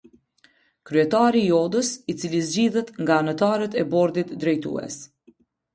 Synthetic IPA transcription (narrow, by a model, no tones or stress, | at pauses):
kɾyɛt̪aɾiːɔd̪əsit͡silizd͡ʑiðɛt̪ŋɡanət̪aɾət̪ɛbɔɾd̪it̪d̪ɾɛjt̪ṵɛ̰s